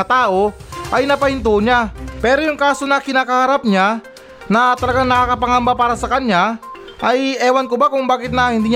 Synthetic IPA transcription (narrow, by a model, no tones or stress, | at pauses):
ət̪auainapaint̪uɲapɛɾujuŋkasunakinakaɦaɾap̚ɲa | nat̪əlaɡaŋnaakapaŋambapaɾasakanɲa | aiewankubakuŋbakɪt̪̚nahint̪iɲ